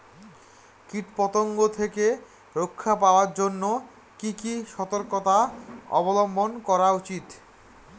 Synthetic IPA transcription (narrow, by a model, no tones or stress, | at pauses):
kiʈpɔt̪oŋɡot̪ʰeke | ɾokʰːapaoaɾd͡ʑonːo | kikiʃɔt̪oɾkot̪aɔ̰bolombʱonkɔɾaut͡ɕit̪